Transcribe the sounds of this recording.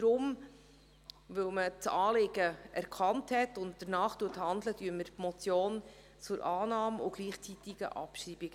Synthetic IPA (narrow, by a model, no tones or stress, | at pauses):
d̥ɾʊm | ʋɵwmət͡sɑːlɪɡəɛɾkʰɑnthɛtʊnt̚dəɾnɑːχtuːəthɑndlədyːɾməɾpmɔt͡sjoːn | t͡sʊɾʔɑːnɑːmʊ̰ɡ̥liːχt͡sitiɡ̥ə̰ʔɑ̰pʃɾiːbiɡ̥ə